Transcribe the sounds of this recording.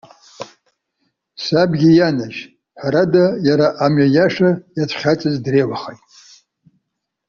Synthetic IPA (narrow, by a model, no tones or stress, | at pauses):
sabɡʲijanaʒ | ħaɾadajaɾaʔamɥajaʂajatʰχʲat͡sʼɨzdrejwaχajtʼ